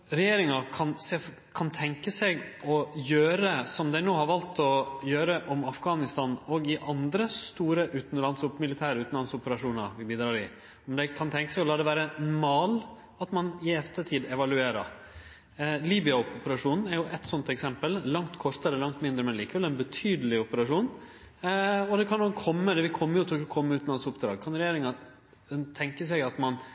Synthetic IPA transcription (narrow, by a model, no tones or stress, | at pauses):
ɾɛjeːɾɪŋɑkʰɑnse | kʰɑnt̪ʰɛŋkəsɛɡɔjøːɾəsɔmd̪æɪnoːhɑɾʋɑlt̪ʰɔjøːɾəʔɔmɑfɡɑːnɪst̪ɑːnɔɡɪʔɑnd̪ɾəst̪uːɾəʔʉːt̪n̩lɑnsɔpmɪlɪt̪ʰæːɾəʉːt̪n̩lɑnsɔpəɾɑʂuːnɑʋɪbiːd̪ɾɑːɾɪ | ɔmd̪ɛɪkʰɑnt̪ʰɛŋkəsɛɔlɑːd̪ɛʋæːɾəmɑːl | ɑt̪mɑnɪɛft̪əʈ̪ʰiːd̪ɛʋɑlʉeːɾɑ̰ɾ | liːbɪʏɑɔpəɾɑʂuːnn̩æɾjʊʔɛt̪sɔnt̪ɛksɛmpəlːɑŋt̪kʰɔɾt̪əɾəlɑŋt̪mɪnd̪ɾəmɛnliːkəʋɛlɛɪnbət̪ʰyːd̪əlɪɔpəɾɑʂuːn | ɔd̪ɛkʰɑnɔkʰːɔmːəd̪ɛʋɪkʰɔmːəjʊt̪ʰɔkkʰɔmːəʉːt̪nlɑnsɔpd̪ɾɑ̰ːɡkʰɑnɾɛjeːɾɪŋɑ | t̪ʰɛŋkəs̬ɛɡɑt̪mɑn